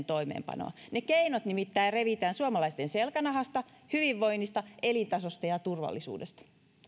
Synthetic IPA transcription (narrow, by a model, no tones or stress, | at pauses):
nt̪o̞imḛːmpɑ̰no̰ɑnekeinot̪nimit̪ːæireʋit̪æːnsuɑmɑlɑist̪enselkænɑɦɑst̪ɑ | hyʋiʋːo̞inːist̪ɑelit̪ɑsost̪ɑjɑt̪urʋɑ̰lːisṵːdest̪ɑ̥